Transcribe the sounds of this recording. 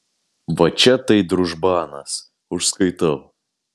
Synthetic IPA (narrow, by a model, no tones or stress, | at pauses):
ʋɐt͡ʃʲɛt̪ɐɪd̪ɾʊʒbɑːnɐs | ʊʃskɐɪt̪ɐʊ